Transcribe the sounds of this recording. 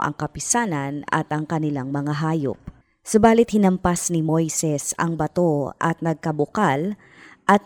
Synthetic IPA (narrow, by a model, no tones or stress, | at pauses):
ʔɐ̰ŋkɐpɪsaːnɐnɐ̰t̪ʔɐŋkɐnɪlaŋmɐŋaɦaːjo̰p̚ | sʊbaːlɪt̪̚hɪnɐmpasnɪmo̞jsɛsɐ̰ŋbɐt̪o̞ʔɐ̰t̪̚nɐɡ̚kɐbʊkal | ʔɐt̪̚